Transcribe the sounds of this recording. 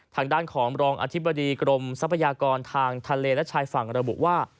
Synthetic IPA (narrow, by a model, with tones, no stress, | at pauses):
t̪ʰaː˧ŋdaː˥˩nkʰɔː˩˦ŋɾɔː˧ŋʔa̰˧t̪ʰi˦˥bːa˧diː˧kɾo˧msa˦˥pʰːa˧jaː˧kɔː˧nt̪ʰaː˧ŋt̪ʰa˧leː˧lɛ˦˥t͡ɕʰaː˧jfa˨˩ŋɾa˧bṵ˨˩ʔwaː˥˩